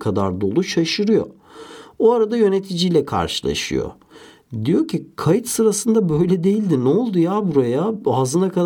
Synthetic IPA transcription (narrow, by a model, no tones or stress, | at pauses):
kʰad̪a̰ɾd̪o̞lˠuʃaʃɯɾɯjo̞̰ | oaɾad̪ajø̞net̪ʰid͡ʒijlʲɛkʰa̰ɾʃɯlˠa̰ʃɯ̰jo̰ | d̪ijo̞cʰikʰajɯt̪sɯɾasɯnd̪abø̞jlʲɛd̪e̞jilʲd̪inɛo̞lˠd̪ujabuɾajaazɯnakʰa